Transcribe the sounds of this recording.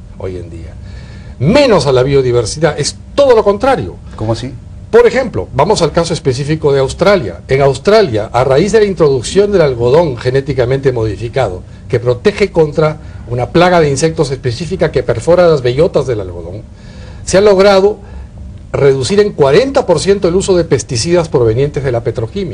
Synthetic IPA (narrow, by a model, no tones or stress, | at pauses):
o̰jḛnd̪ḭa̰ | mẽ̞no̞salaβio̞ðiβ̞e̞ɾsiðaest̪o̞ð̞o̞lo̞ko̞nt̪ɾaɾjo̞̰ | po̞ɾe̞xe̞mplo̞̰bamo̞salkaso̞espe̞s̬ifiko̞ðeawst̪ɾalja̰e̞ŋawst̪ɾalja̰ʔaraizðe̞laint̪ɾo̞ðuksjo̞nd̪e̞lalɣo̞ðo̞ŋxe̞ne̞t̪ikamẽnt̪e̞mo̞ðifikaðo̞̰ | ke̞pɾo̞t̪e̞xe̞ko̞nt̪ɾa | unaplaɣaðe̞inse̞k̚t̪ose̞spe̞sifikakepe̞ɾfo̞ɾalazβe̞ʝo̞t̪azðe̞la̰lɣo̞̰ðo̞̰ŋ | sealo̞ɣɾað̞o̞ | re̞ðusiɾe̞ŋkwaɾe̞nt̪apo̞ɾsje̞nt̪oeluso̞ðepe̞st̪isiðaspɾo̞β̞e̞nje̞nt̪ezðelape̞t̪ɾo̞kimja